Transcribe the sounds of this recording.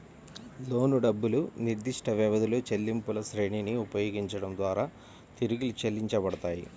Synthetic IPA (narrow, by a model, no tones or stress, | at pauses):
lo̞ːnuɖɐbːuluniɾd̪iʂʈɐʋɛʋɐd̪uloːt͡ʃelːimpulɐsɾeːɳiniupɐjoːɡiɲt͡ʃɐɽɐmd̪ʋaːɾaː | t̪iɾuɡilit͡ʃelːiɲt͡ʃɐbɐɽɐt̪aːjḭ